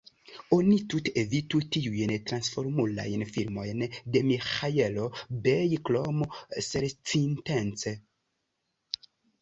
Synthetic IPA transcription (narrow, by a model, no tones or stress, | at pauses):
onit̪ut̪evitutiujnt̪ɾansfoɾmula̰jnfiɾmojndemixajelobejklomoseɾt͡sintent͡se